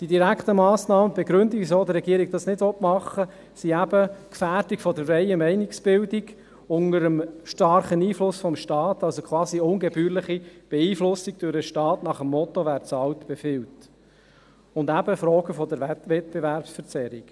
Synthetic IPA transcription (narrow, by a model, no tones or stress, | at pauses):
d̥idiɾækt̪əmɑːsnɑːməbɛɡɾʏnd̪iisoːd̪əɾːɛɡiːəɾiɡ̥̚d̥̪ɑsnɪdvɔtmɑχːə | siæb̥əkfæːɾdikfɔdəɾfrɛɪəmɛɪniksb̥ɪldiɡ | ʊnəɾəmʃtɑɾχəniːflʊsfɔmʃtɑːt̪ɑlsokʰwɑːziʊŋɡɛbyːɾlɪχib̥eiːflʊsiɡ̥̚d̥ʊɾəʃtɑːtnɑχəmːɔt̪oʋæːɾt͡sɑltb̥ɛfɪlt | ʊndæb̥əfɾɔːɡəfɔd̪əɾɛʋɛt̚b̥evæɾpsfəɾt͡sɛɾik